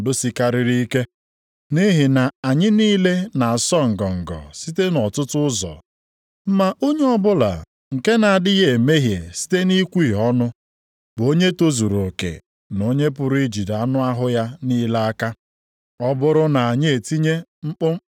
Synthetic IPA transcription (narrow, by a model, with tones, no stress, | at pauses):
dʊ˦si˨ka˦ɾi˨ɾi˦i˦ke˦ | ni˦ɦɪ˨na˨a˨ɲɪ˦niː˦le˦na˨a˨sɔ˦ŋ̩˨ɡɔ˨ŋ̩˨ɡɔ̰˨si˦te˦nɔ˨tʊ˦tʊ˦ʊ˦zɔ̰˨ | m̩˦ma˦ʔo˦ɲe˦ɔ˦bʊ˦la̰˨ | ŋ̩˨ke˦na˨a˨dɪ˦ɣe˨me˦ɦjḛ˨si̥˦te˦ni˦kʷi˦˨ɦɔ˦nʊ˦ | bo˦ɲe˦to˦zu˨ɾo˨kḛ˨ | no˦ɲe˦p̬ʊ˨ɾʊ˦i˦d͡ʒi˨da˨˦nʊ˦a˦ɦʊ˦ja˦niː˦la˦a˦ka˦ | ɔ˦bʊ˦ɾʊ˦na˨a˨ɲɪ˦e˨ti˦ɲe˦ŋ͡m̩˦k͡pʊ˦